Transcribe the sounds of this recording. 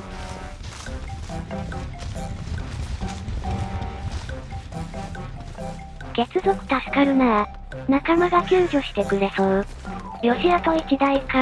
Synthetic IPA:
ɡ̥e̞t͡sɨzo̞kɯ̟̥t̪asɨ̥kaɾɯ̟naa | nakamaɡakʲɨːʑʲo̞ɕi̥t̪e̞kɯ̟ɾe̞sõ | ɾʲo̞ɕiat̪o̞it͡ɕid̪aika

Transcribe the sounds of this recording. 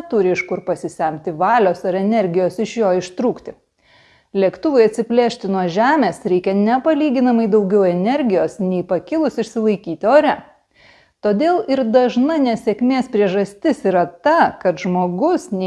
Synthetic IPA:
t̪ʊɾʲɪɪʃkʊɾpɐsʲɪsʲɛˑmʲt̪ʲɪʋɑːlʲoːsɐɾɛnʲɛɾʲɡʲɪjoːsɪʃjoːɪʃt̪ɾuːkt̪ʲɪ | lʲiɛkt̪ʊʋʊɪɐt̪ʲsʲɪpʲlʲeːʃʲt̪ʲɪnuɔʒʲæːmʲeːsɾʲɛɪkʲɛnʲɛpɐlʲiːɡʲɪnɐmɐɪd̪ɐɒʊɡʲɛʊɛnʲɛɾʲɡʲɪjoːsnʲɛɪpɐkʲɪlˠʊsɪʃʲsʲɪlˠɐɪkʲiːt̪ʲɪoːɾʲɛ | t̪oːd̪ʲeːlˠɪɾd̪ɐʒnɐnʲɛsʲɛkʲmʲeːspʲɾʲiɛʒɐsʲt̪ʲɪsiːɾɐt̪ɐkɐt̪ʒmoːɡʊsnʲɛ

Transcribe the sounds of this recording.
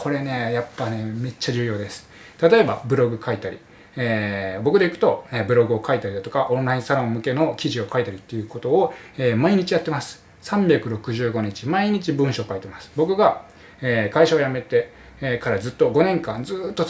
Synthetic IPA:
kʰo̞ɾe̞ne̞japːane̞me̞t͡ɕːaʑɨːjo̞ːd̪e̞sɨ̥ | t̪at̪o̞e̞babɯ̟ɾo̞ɡɯ̟kʰait̪aɾʲḭ | eːbo̞kɯ̟d̪e̞ikɯ̟̥t̪o̞ebɯ̟ɾo̞ɡɯ̟o̞kait̪aɾʲid̪at̪o̞kaʔõ̞ñɾaĩsaɾõ̞mmɯ̟ke̞no̞kʲiʑio̞kait̪aɾʲit̪ːe̞jɯ̟ko̞t̪o̞ːeːmaiɲ̟it͡ɕijat̪ːe̞masɨ̥ | sãmbʲakɯ̟ɾo̞kɯ̟ʑɨːɡo̞ɲ̟it͡ɕimaiɲ̟it͡ɕibɯ̟̃ɰ̃ɕo̞ːkait̪e̞masɨ̥bo̞kɯ̟ɡa | eːkaiɕaojame̞t̪e̞ | kaɾazɨt̪ːo̞ɡo̞nẽ̞ŋkãnd͡zɨːt̪ːo̞

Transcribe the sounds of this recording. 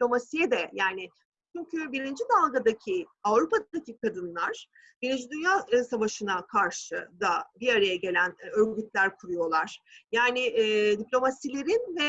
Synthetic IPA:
iplʲo̞masijɛd̪ɛjaːnɪ | t͡ʃʰyɲcʰybiɾind͡ʒid̪alˠɡad̪acʰiavɾupad̪acʰikad̪ɯnlˠaɾ̥ | biɾind͡ʒid̪ynjaːsavaʃɯnakʰaɾʃɯd̪abiaɾajaɟe̞lʲænø̞ɾɟyt̪̚lʲæɾkʰuɾujo̞lˠaɾ̥jaːnɪd̪iplʲo̞masilʲe̞ɾinvɛ

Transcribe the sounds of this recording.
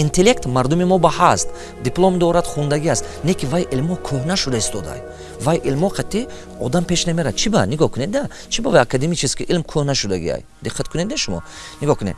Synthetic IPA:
int̪ʰelekt̪maɾd̪umimɔbahast̪ | d̪iplˠomd̪ɔɾad̪χund̪aɡiast̪nekʰivajʔilmɔkʰøhnaʃud̪aist̪ɔd̪a̰j | vajʔilmhɔqʰat̪i | ɔ̰d̪ampʰe̞ʃname̞ɾad̪̚t͡ʃʰibaniɡɔkʰuned̪̚d̪a | t͡ʃʰibavajakʰad̪emit͡ʃʰiskiʔilmkʰøhnaʃud̪aɡḭa̰j | d̪iqʰːat̪kʰuned̪d̪eʃumɔ̰ | niɡɔkʰunḛ

